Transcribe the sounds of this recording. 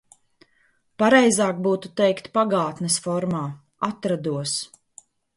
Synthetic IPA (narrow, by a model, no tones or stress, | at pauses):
paɾɛjzaːk̚buːt̪ut̪ɛjkt̪paɡaːt̪nɛsfɔɾmaː | at̪ɾad̪uɔs